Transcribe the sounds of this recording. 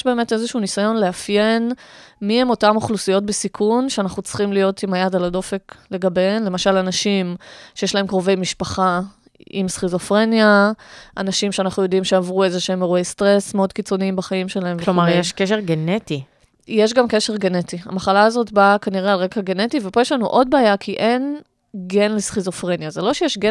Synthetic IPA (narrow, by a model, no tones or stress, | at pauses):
ʃbe̞ːme̞te̞zeʃunisajo̞nleafjenmiemo̞tamoχlusijo̞t̚besikʰunʃeanaχnut͡sχimlijo̞timajadalado̞fekle̞ɡabenle̞maʃalanaʃimʃejeʃlaɦe̞mkʁove̞jmiʃpaχa | ʔḭmsχizo̞fʁe̞njaʔanaʃimʃeanaχnujo̞dimʃeavʁuezeʃeemeʁuejstʁe̞smeo̞dkit͡so̞niimbaχaimʃe̞laemkvelomaʁjeʃkeʃeʁɡeneti | jeʃ̬ɡamke̞ʃeʁɡenetia̰maχalaːzo̞tbakaniʁealʁekaɡe̞netivepo̞jeʃlanuʔo̞d̚beajakʰiʔe̞n | ɡenlisχizo̞fʁenjazelo̞ʃejeʃɡe